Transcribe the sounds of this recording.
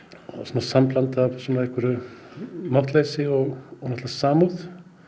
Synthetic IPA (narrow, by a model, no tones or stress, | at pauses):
sɔːnasamplant̪avsɔnaɛhkvʏɾʏ | mawht̪leːjsɪɔɣɔnɛht̪ðasaːmuð